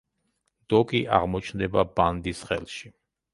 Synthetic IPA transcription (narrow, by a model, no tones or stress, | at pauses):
d̪̥ɔkʼiʔa̰ʁmɔt͡ʃʰnd̪ɛbaband̪isχɛ̰lˠʃi